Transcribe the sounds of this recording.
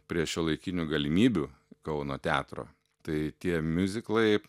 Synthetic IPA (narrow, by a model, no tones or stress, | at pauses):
pʲɾʲiɛʃʲulˠɐɪkʲɪnʲuɡɐlʲɪmʲiːbʲuː | kɐʊnoːt̪ʲæːt̪ɾo̰ː | t̪ɐɪt̪ʲiɛmʲʊzʲɪklˠɐɪ